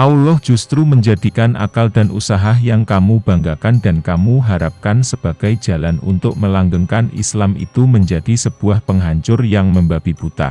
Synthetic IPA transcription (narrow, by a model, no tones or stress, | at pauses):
ʔaulɔhd͡ʒ̥ust̪ɾuməɲd͡ʒadikanʔa̰kaldanʔusaɦaɦjaŋkamub̥aŋɡakandankamuɦaɾap̚kansəb̥aɡ̥ajd͡ʒalanṵnt̪ʊk̚məlaŋɡəŋkanḭslamḭt̪uməɲd͡ʒadisəb̥uahpəŋɦaɲt͡ʃʊrjaŋməmbab̥ibut̪a̰